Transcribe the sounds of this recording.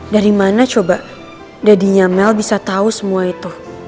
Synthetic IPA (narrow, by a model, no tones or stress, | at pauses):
daɾimanat͡ʃoba | dadiɲamɛlbisat̪ausəmuait̪u